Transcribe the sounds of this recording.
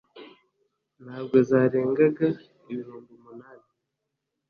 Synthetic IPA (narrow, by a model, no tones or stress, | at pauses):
nhaːβɡo̞zaːɾe̞ːŋɡaɡa | iβiɾuːŋɡumunaːni